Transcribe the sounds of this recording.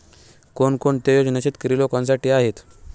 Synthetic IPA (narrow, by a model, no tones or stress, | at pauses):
koɳkoɳt̪ejod͡ʑnat͡ɕet̪kəɾiːlokãnsaʈiːaɦet̪